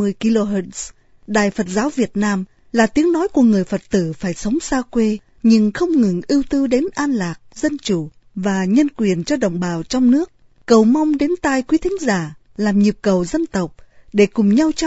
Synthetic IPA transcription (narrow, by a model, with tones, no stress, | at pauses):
ɨ˧əjki˧lo˧ɦə˧˩ts | ɗaː˨jfə˨˩t̚zaː˨˦wvi˨˩ət̚naː˧m | laː˨˩t̪i˨˦əŋnɔ˨˦jku˧˩əŋɨ˨˩əjfə˨˩t̚t̪ɨ˧˩faː˧˩jsə˨˦wŋ͡msaː˧kwe˧ | ɲɨ˧ŋxə˧wŋ͡mŋɨ˨˩ŋʔi˧əwt̪ɨ˧ɗe˨˦nʔaː˧nlaː˨˩k̚zə˧nt͡ɕu˧˩ | vaː˨˩ɲə˧nkwi˨˩ənt͡ɕɔ˧ɗə˨˩wŋ͡mɓaː˨˩wt͡ɕɔ˧wŋ͡mnɨ˦˥ək̚ː | ə˨˩wma˧wŋ͡mɗe˨˦nt̪aː˧˩jkwi˨˦t̪ʰŋ̟zaː˧˩ | laː˨˩mɲi˨˩p̚kə˨˩wzə˧nt̪ə˨˩wk͡p̚ɗe˧˩kʊ˨˩ŋ͡mɲa˧wt͡ɕ